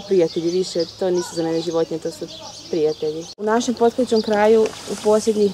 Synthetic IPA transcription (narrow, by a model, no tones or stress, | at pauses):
pɾijat̪eʎiʋiʃet̪o̞niːsuzaneneʒiʋo̞t̪ɲet̪oːsu | pɾijat̪eʎiunaʃe̞mpo̞t̪̚ket͡ɕomkɾaːjuupo̞ːslʲjed̪ɲi